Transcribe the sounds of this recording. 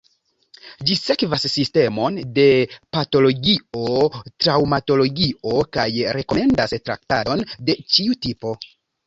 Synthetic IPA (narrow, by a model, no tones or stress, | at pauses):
d͡ʒise̞kvasːiste̞mo̞nde̞pato̞lo̞ɡio̞tɾawmato̞lo̞ɡio̞kajɾe̞ko̞me̞ndastɾa̰ktado̞nde̞t͡ʃiutipo̞